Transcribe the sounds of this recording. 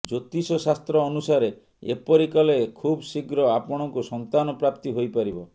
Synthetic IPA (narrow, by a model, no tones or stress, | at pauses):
d͡ʒot̪isɔsast̪ɾɔːnusaɾe | ḛpɔɾikɔleekʰubsiɡɾɔapɔɽ̃ɔŋkusɔnt̪anɔpɾap̚t̪iɦojpaɾibɔ